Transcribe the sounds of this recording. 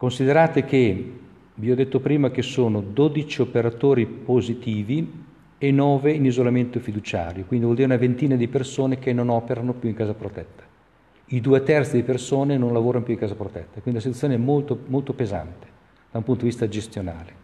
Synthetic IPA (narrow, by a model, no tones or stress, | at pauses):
konsid̪eɾaːt̪ek̟e | viɔd̪ːet̪ːopɾiːmak̟esoːnod̪oːd̪it͡ʃiopeɾat̪oːɾipozit̪iːvi | enɔːveinizolament̪ofid̪ut͡ʃa̰ːɾjokwind̪ivwɔld̪iɾeunavent̪iːnad̪ipersoːnek̟enːonɔːpeɾanopjuiŋkaːzapɾot̪ɛt̪ːḁ | id̪uːet̪ɛrt̪sid̪ipersoːnenonlavoːɾanopjuiŋkaːzapɾot̪ɛt̪ːakwind̪ilsit̪uajoːneɛmolt̪omolt̪opeza̰nt̪e̥ | d̪̥aũmput̪od̪ivist̪ad͡ʒest̪jona̰ːle